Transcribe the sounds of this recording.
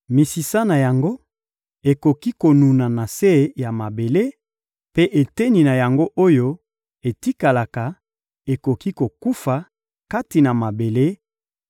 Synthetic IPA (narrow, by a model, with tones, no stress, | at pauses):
mi˨si˨sa˦na˨ja˨ŋɡo˦ | e˨ko˨ki˦ko˨nu˨na˨na˨se˦˨ja˨ma˨be˨le˦ | pe˦ʔe˨te˦ni˨na˨ja˨ŋɡo˦ʔo˦jo˦ | e˨ti˦ka˨la˨ka˨ | e˨ko˨ki˦ko˨ku˦fa˨ | ka˦ti˨na˨ma˨be˨le˦